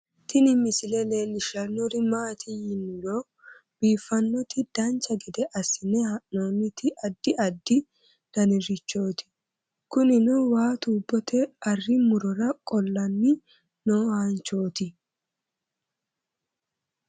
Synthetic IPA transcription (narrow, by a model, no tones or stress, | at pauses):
t̪ɪnɪmɪsɪlɛleːlɪʃɐnːɔɾɪmaːt̪ʰɪjɪnːʊloː | b̥iːfːɐnːɔt̪ɪd̪̥ɐnt͡ʃːɐɡɛd̪ɛʔɐsːɪnɛhanoːnːɪt̪ɪʔɐd̪ːɪʔɐd̪ːɪ | d̪̥ɐnɪɾɪt͡ʃːo̞ːt̪ɪ̥ | kʊnɪnɔwaːt̪uːbːɔt̪ɛɐrːɪmʊɾɔɾɐkʼɔlːɐnːɪ | nohant͡ʃːo̞ːt̪ɪ